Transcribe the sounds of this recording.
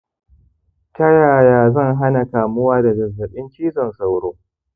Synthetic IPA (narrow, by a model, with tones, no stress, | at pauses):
tɐ˦jaː˨jaː˨zɐ˦˨ŋɦa˦na˨kaː˨mʊ˦waː˦da˨zɐ˨zːɐ˨ɓɪ˦nt͡ʃiː˦zɐ˨nsa˨˦wɽoː˦